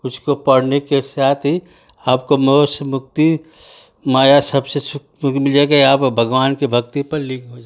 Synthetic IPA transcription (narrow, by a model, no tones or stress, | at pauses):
ʊskopɐɽnekesaːt̪ʰi | aːp̚komosmʊk̚t̪i | maːjasɐbsesʊk | mɪld͡ʒakeaːpbʱɐɡwaːnkebʱɐk̚t̪ipɐɾlɪ̃kɦod͡ʒa